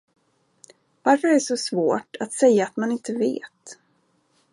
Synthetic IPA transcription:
vaɾfœɾæʂɔsvoːʈat̪sɛjːaːt̪manɪnt̪əvḛːt̪

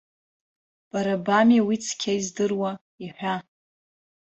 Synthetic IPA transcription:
b̥aɾabamiwit͡sʰkʲʰaizdɨrwa | iħʷᶣa

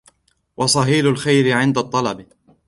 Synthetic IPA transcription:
wʔɑsˤɑɦiːlʊlxajɾɪʕɪnd̪at̪ˤːɑlɑb

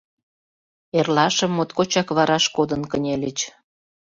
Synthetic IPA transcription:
erlɑʃə̆mːot̪kot͡ɕɑkβɑɾɑʃkod̪ənkənʲelʲət͡ɕ

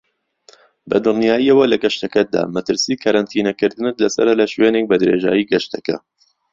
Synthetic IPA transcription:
bɐ̰d̪ɨlnijaːjiɐwɐlɐɡɐʃt̪ɐkɐd̪a̰ːmɐt̪ɨɾsiːkʰɐɾant̪ʰiːnɐkɨɾd̪ɨnɨt̪lɐsɐ̰ɾɐlɐʃweːnek̚bɐd̪ɨɾḛːʒa̰ːjiːɡɐʃt̪ʰɐkɐ̰

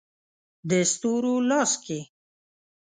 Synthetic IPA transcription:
d̪əst̪uɾolɑske

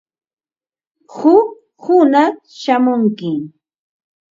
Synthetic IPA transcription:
hʊk̚ | hʊnaχ | ʃamʊŋkɪ

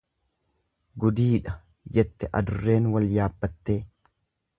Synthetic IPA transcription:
ɡʊd̪iːᶑɐ | d͡ʒɛt̪ːɛʔɐ̰d̪ʊrːe̞ːnwɐljaːbːɐt̪ːe̞ː

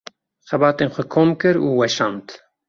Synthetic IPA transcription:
xɛbɑːt̪eːnxʷɛkʰoːmkɨɾuːwɛʃɑːnt̪

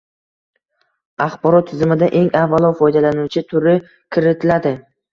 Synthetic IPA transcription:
aχbɒɾɒt̪ʰːɪzɪmɪd̪aʔe̞ŋavːalˠɒfɒjd̪alanʊwt͡ʃʰɪt̪ʰʊɾɪ | kʲʰɪɾɪt̪ʰɪlad̪ɪ

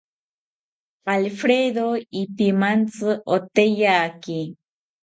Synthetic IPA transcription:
palfɾeðoipimant͡sɨʔot̪ejaːki

